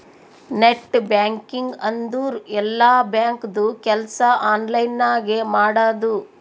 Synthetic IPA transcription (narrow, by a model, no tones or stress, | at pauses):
neʈːbjaːŋkiŋɡɐnd̪uːɾɛlːaːbjaːŋkd̪ukɛlɐsɐʔaːnlɐjnːaːɡemaːɽaːd̪u